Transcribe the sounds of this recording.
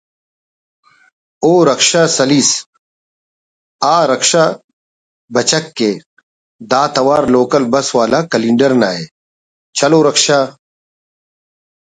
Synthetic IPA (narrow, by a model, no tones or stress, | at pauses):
oːɾɐkʂasɐlis | aːɾɐkʂa | bɐt͡ɕɐkːe | d̪aːt̪ɐwaːɾloːkɐlbɐswaːlakɐlĩɳɖɐɾna̰ːe | t͡ɕʰɐloːɾɐkʃaː